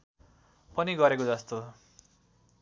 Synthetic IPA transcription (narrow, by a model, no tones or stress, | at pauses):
pʌniɡʌɾekod͡zʌst̪o